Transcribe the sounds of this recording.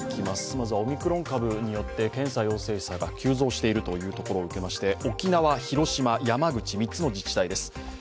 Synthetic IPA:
kʲʰimasɨ̥mazɨβao̞mʲikɯ̟ɾõ̞ŋkabɯ̟ɲ̟ijo̞t̪ːe̞kẽ̞ɰ̃sajo̞ːse̞ːsaɡakʲɨːzo̞ːɕi̥t̪e̞iɾɯ̟t̪o̞jɯ̟ːt̪o̞ko̞ɾo̞ːɯ̟ke̞maɕi̥t̪e̞o̞kʲinaβaçiɾo̞ɕimajamaɡɯ̟t͡ɕimʲitt͡sɨno̞d͡ʑit͡ɕi̥t̪aid̪e̞sɨ̥

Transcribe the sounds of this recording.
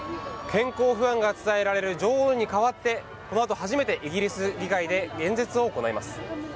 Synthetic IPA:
kʰẽ̞ŋko̞ːɸɯ̟ãŋɡat͡sɨ̥t̪ae̞ɾaɾe̞ɾɯ̟d͡ʑo̞ːoɲ̟ikaβat̪ːe̞ | ko̞no̞at̪o̞ɦaʑime̞t̪e̞ʔiɡʲiɾʲisɨɾʲikaid̪e̞ɡẽ̞nd͡ze̞t͡sɨo̞ːko̞naimasɨ̥

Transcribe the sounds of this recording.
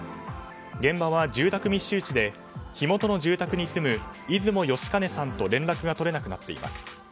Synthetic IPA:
ɡẽ̞mbaβad͡ʑɨːt̪akɯ̟mʲiɕːɨːt͡ɕid̪e̞ | çimo̞t̪o̞no̞ʑɨːt̪akɯ̟ɲ̟isɨmɯ̟izɨmo̞jo̞ɕi̥kane̞sãnt̪o̞ɾẽ̞nɾakɯ̟ɡat̪o̞ɾe̞nakɯ̟nat̪ːe̞ḭmʔa̰sɨ̥

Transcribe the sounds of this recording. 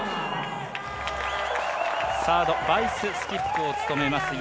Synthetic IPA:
saːd̪obaisɨsɨ̥kʲipɯ̥t̪ɯot͡sɨ̥t̪o̞me̞masɨ

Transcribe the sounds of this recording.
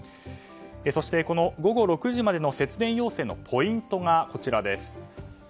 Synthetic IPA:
eso̞ɕi̥t̪e̞ko̞no̞ɡo̞ɡo̞ɾo̞kɯ̟ʑimad̪e̞nose̞t͡sɨd̪ẽ̞ɰ̃jo̞ːse̞ːno̞̰pʰo̞ĩnt̪o̞ŋako̞t͡ɕiɾad̪e̞sɨ̥

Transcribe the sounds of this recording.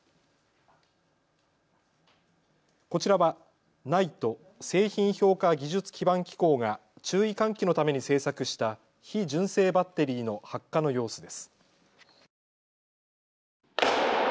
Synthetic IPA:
ko̞t͡ɕiɾaβa | nait̪o̞ | se̞ːçĩɰ̃ço̞ːkaɡʲiʑɨt͡sɨ̥kʲibãŋkʲi̥ko̞ːŋat͡ɕɨːikãŋkʲino̞t̪ame̞ɲ̟ise̞ːsakɯ̟ɕi̥t̪a | çid͡ʑɨ̃ɰ̃se̞ːbat̪ːe̞ɾʲiːno̞hakːano̞jo̞ːsɨd̪e̞sɨ̥

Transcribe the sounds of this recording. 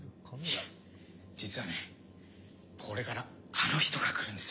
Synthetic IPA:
ia | d͡ʑit͡sɨβane̞ | kʰo̞ɾe̞kaɾa | ano̞çi̥t̪o̞ɡakɯ̟ɾɯ̃nd̪e

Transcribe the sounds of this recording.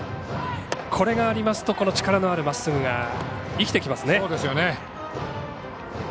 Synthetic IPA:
kʰo̞ɾe̞ɡaːɾʲimasɨ̥t̪o̞ko̞no̞t͡ɕi̥kaɾano̞aɾɯ̟masːɨɡɯ̟ɡa | ikʲi̥t̪e̞kʲimasɨne̞od̪esɨjone

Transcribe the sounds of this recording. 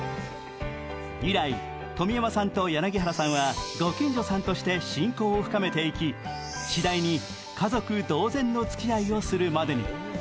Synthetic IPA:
iɾai | t̪o̞mʲiamasãnt̪o̞janaɡʲiɦaɾasãɰ̃βaɡ̪o̞kʲĩɲ̟d͡ʑo̞sãnt̪o̞ɕi̥t̪e̞ɕĩŋko̞ːɸɯ̟kame̞t̪e̞ikʲi | ɕid̪aiɲ̟i | kʰazo̞kɯ̟d̪o̞ːzẽ̞nːo̞t͡sɨ̥kʲiaio̞sɨɾɯ̟mad̪e̞ɲ̟ḭ

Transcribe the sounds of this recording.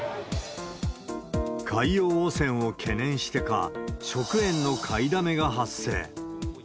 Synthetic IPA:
kʰaioːsẽ̞ɰ̃o̞kʰe̞nẽ̞ɰ̃ɕi̥t̪e̞ka̰ɕo̞kɯ̟ẽ̞nːo̞kʰaid̪ame̞ɡaɦasːe̞̰ː

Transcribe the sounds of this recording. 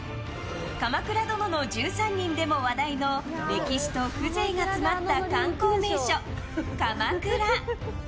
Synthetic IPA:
kamakɯ̟ɾad̪o̞no̞no̞d͡ʑɨːsãɲ̟ːĩnd̪e̞mo̞βad̪aino̞ɾe̞kʲiɕi̥t̪o̞kɯ̟ze̞ːɡat͡sɨmat̪ːakãŋko̞ːme̞ːɕo̞ | kamakɯ̟ɾa

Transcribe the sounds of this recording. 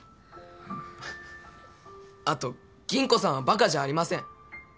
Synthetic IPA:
at̪o̞ | ɡ̥ʲĩŋko̞sãɰ̃abakaʑaːɾʲimasẽ̞ŋ̃

